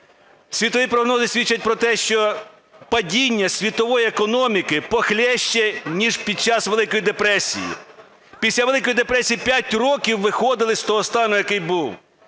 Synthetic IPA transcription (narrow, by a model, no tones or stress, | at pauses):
sʲʋʲit̪ɔʋʲipɾɔɦnɔzɪsʲʋʲit͡ʃːɐt̚ʲpɾɔt̪ɛʃt͡ʃɔ | pɐdʲinʲːɐsʲʋʲit̪ɔʋɔjiekɔnɔmʲikɪpɔxlʲɛʃt͡ʃɛnʲiʒpʲid̪̚t͡ʃɑsʋelˠɪkɔjid̪epɾɛsʲḭjḭ | pʲisʲlʲaʋelˠɪkɔjid̪epɾɛsʲijipʲjatʲrɔkʲiwːɪxɔd̪ɪlˠɪsʲt̪ɔɦɔst̪ɑnʊjɐkɪjbuw